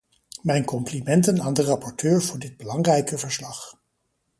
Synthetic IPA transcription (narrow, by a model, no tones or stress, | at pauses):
mɛjnkɔmplimɛntənaːndərɑpɔɹtʰøːɹv̥ʊːɹdɪd̚bəlɑŋrɛjkəvəɹslɑχ